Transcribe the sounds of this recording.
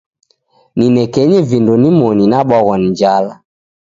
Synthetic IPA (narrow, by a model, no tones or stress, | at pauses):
ninɛkɛɲɛvindɔnimɔninaɓwaɣɔniɲd͡ʒala